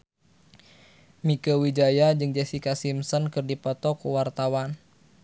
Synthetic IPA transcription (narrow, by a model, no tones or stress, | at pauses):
mikəwid͡ʒajad͡ʒɨŋd͡ʒɛsikasimsɔnkɨrdipɔt̪ɔkuwart̪awan